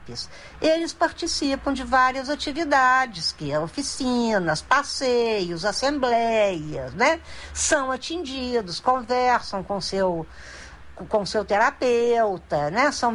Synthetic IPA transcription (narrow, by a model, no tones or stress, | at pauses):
pɪs | elɪspaɾt͡ʃisipɐ̃w̃d͡ʒɪvaɾiɐzat͡ʃivid̪ad͡ʒɪskɪofisĩnɐspasejʊzasẽmblɛjɐsnɛsɐ̃w̃at͡ʃĩʒid̪ʊskõvɛɾsɐ̃w̃kõsew | kõsewt̪eɾapewt̪ɐnɛsɐ̃w̃